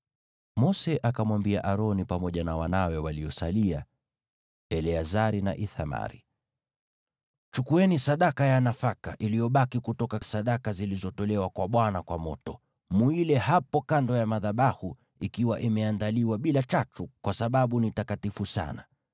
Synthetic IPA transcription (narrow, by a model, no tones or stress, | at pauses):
mɔsɛʔakamwambiaʔaɾɔnipamɔʄanawanawɛwaliɔsalia | ɛlɛazaɾina̰ʔiθa̰ma̰ɾḭ | t͡ʃukuɛnisaɗakajanafakaʔilijɔɓakikutɔkasaɗakazilizɔtɔlɛwakwaɓwanakwamɔ̰tɔ | muilɛhapɔkandɔjamaðaɓahu | ikiwaʔimɛandaliwaɓilat͡ʃatukwasaɓaɓunitakatifusa̰na